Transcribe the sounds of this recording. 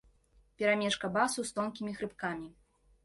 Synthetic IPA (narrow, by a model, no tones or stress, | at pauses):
pʲɛɾamʲɛʂkɐbasust̪ɔnkʲimʲixɾɨpkamʲi